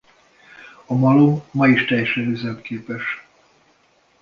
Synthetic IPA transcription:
ɒmɒlomːɒiʃt̪ɛjːɛʃlɛɡ̪øzɛmkeːpɛʃ

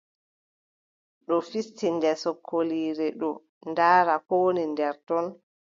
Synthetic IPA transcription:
ɗɔfistindɛsɔkʰːoliːɾɛɗɔ | ndaːɾakownindɛɾtɔn

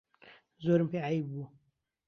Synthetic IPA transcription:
zoːɾɨmpeːʕajibbuː

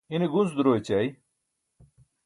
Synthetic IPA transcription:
iniɡunsd̪ɾoet͡ɕaj

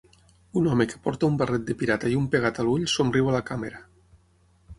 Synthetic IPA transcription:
unɔmeke̥pɔɾt̪aumbarɛt̪̚d̪epiɾat̪aiumpeɣat̪aluʎsomriwalakameɾa

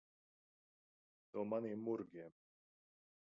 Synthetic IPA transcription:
nuːmaniːmːuɾɡʲiɛm

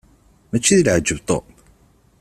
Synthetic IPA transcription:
mæt͡ʃːiðəlʕəd͡ʒːəvt̪ˤo̰

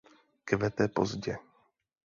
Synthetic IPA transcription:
kvɛt̪ɛpo̰zɟɛ

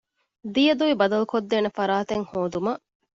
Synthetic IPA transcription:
d̪ijɐd̪uʋibɐd̪ɐlukod̪ːeːnefɐɾaːt̪eŋhoːd̪umɐʔ

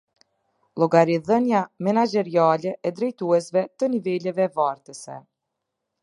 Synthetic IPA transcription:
lˠɔɡaɾiðənjamɛnad͡ʒɛɾialɛʔɛd̪ɾɛjt̪uɛsvɛt̪ənivɛlɛvɛvaɾt̪əsɛ̰

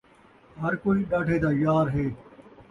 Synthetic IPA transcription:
ɦəɾkoːiːɗaːʈʰeːd̪aːjaːɾɦeː

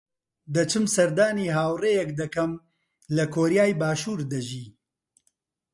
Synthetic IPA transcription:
d̪ɐt͡ʃʰɨmsɐɾd̪aːniːɦaːwreːjɛkd̪ɐkɐm | lɐkʰoːɾijaːjbaːʃuːɾd̪ɐʒiː

